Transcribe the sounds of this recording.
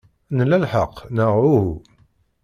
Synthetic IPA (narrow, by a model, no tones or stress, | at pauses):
nəlælħəqːnəʁuhu